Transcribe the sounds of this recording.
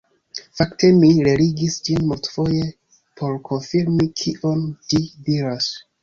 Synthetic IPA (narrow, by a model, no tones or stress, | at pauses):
faktʰe̞miɾeɾiɡisd͡ʒinmultfo̞je | pʰo̞ɾkʰo̞nfiɾmikʰiʔo̞ndidiɾas